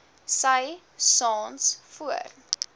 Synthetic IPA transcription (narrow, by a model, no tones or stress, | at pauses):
səj | sɑːnsfuə̰r